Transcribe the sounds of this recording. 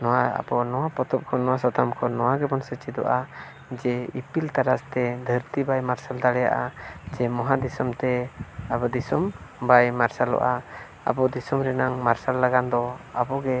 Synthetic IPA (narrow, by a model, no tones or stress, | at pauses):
nɔwaa̰bɔnɔwapɔt̪ɔp̚kʰɔnɔwasɔt̪amkʰɔnɔwaɡɛbɔnsɛt͡ʃid̪ɔ̰ʔa | d͡ʒɛipilt̪aɾast̪ɛd̪ʱəɾt̪ibajmaɾsald̪aɽɛja̰ʔad͡ʒɛmɔɦad̪isɔmt̪ɛabɔd̪isɔmbajmaɾsalɔ̰ʔa | a̰bɔd̪isɔmɾɛnaŋmaɾsalːaɡand̪ɔa̰bɔɡɛ